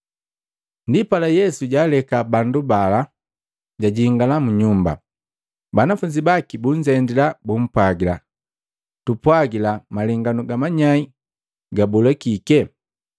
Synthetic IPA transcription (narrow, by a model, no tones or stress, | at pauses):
ndipalajɛsuɟaːlɛkabandubala | ɟaɟiŋɡalamuɲumba̰ | banafuɲd͡ʒibakibuɲd͡ʒɛndilabum̩pwaɡila | tupwaɡilamaliŋɡanuɡamaɲai | ɡabulɛkikɛ